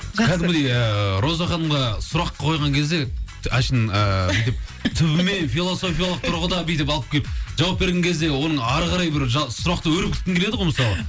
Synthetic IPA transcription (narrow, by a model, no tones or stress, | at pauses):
kʰæd̪ɪmɡʲɪd̪ejəɾo̞zɑχɑnəmʁɑsʊɾɑqːɑqʰo̞jʁɑŋkʲʰe̞zd̪e̞ | æʃənəbbijt̪ɪp̚t̪ʰʏbɪme̞nfʲilˠo̞so̞fʲijalˠəq̚t̪ʰʊɾʁəd̪ɑbijt̪ɪpɑlˠəp̚kʲʰe̞lɪpʒɑwɑp̚be̞ɾɡʲe̞ŋʲkʲʰe̞zd̪e̞wo̞nəɴɑɾʁɑɾɑjbɪɾʒɑsʊɾɑqt̪əwɵɾɪp̚kʰʲɪ̥t̪k̪ʲɪŋkʰele̞d̪əʁojməsɑlˠə